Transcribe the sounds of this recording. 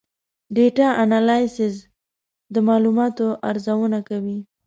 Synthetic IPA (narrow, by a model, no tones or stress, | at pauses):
ɖeʈaʔanalɑjsɪs̬ | d̪əmɑlumɑt̪oʔaɾzawənakawi